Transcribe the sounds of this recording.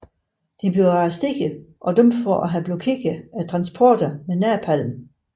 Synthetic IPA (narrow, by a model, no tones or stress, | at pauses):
d̥ib̥yɐæsd̥e̝ɡ̥əʔɒ̽d̥ømd̥fɒʔæɦæb̥lokʰe̝ɡ̥əæt͡sʰʁɑ̈nsb̥ʰɒːd̥ɐmenæɐpʰæl̰m̩